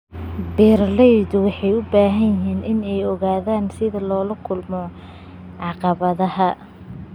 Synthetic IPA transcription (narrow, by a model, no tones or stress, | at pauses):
bɛːrlɛjðʊwɑħɑjʊbaːɦɐjɪɦiːnɪnɛjɔɣaːðaːnsɪðɐlɔːlɐkʰʊlmɔ | ʕɑqɑβɐðɐhɐ